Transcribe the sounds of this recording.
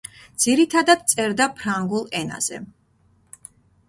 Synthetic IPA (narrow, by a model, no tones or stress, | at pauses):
d̪z̥iɾit̪ʰad̪ad̪t̪sʼɛɾd̪apʰɾaŋɡulˠɛna̰z̥ɛ̰